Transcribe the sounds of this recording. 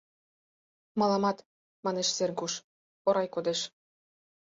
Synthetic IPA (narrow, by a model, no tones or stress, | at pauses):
mɑlˠɑmɑt̪ | mɑneʃserɡuʃ | ŏɾɑjkod̪eʃ